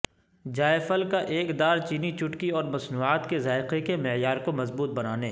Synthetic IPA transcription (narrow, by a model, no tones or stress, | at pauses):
d͡ʒaːefəlkaʔeːkd̪aːɾt͡ʃiːnit͡ʃʊʈkiɔːɾmɐsnuːaːt̪kezaːɪqekemɪjaːɾkomɐzbuːt̪̚bɐnaːneː